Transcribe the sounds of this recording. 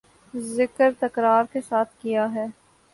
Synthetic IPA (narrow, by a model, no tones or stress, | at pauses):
zɪkəɾt̪ɐkɾaːɾkesaːt̪̚ʰkijaɦɛː